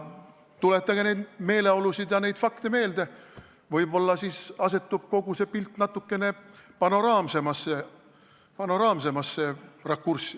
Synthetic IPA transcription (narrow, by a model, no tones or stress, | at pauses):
t̪ulet̪ːɑɡ̥ɑne̞jd̪me̞ːle̞o̞lusid̪jɑne̞jd̪fɑkt̪eme̞ːld̪e̞ | vɤjbo̞lːɑsisɑse̞t̪ːˑub̥̚ko̞ɡ̥use̞pilt̪ːˑnɑt̪ːˑukːe̞ne̞pɑno̞ɾɑːmse̞mɑsːe | pɑno̞ɾɑːmse̞mɑsːerɑkːursːi̥